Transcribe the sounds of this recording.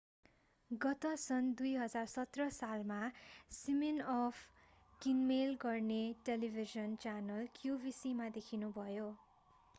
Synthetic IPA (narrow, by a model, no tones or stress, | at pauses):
ɡʌt̪ʌsʌnd̪ujɦʌd͡zarsʌt̪rʌsalmasiminʌpʰ | kinmelɡʌrneʈelibʱizʌnt͡sanʌlkjubisimad̪ekʰinubʱʌjo